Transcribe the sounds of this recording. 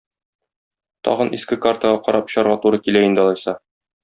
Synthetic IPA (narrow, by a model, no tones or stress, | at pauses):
t̪ɒ̰ʁɤ̆nḭskɘkaɾt̪əʁɑqɒɾɑpɕɒɾʁɑt̪uɾɤkilæind̪ɒlˠɑjsɑ